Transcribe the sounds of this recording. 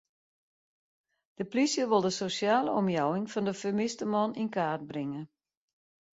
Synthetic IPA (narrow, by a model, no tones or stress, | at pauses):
d̥əplisjəʋɪlˠdəsosjaːləɔmjawɪŋfɔndəfəmɪstəmɔninkaːt̚brɪŋə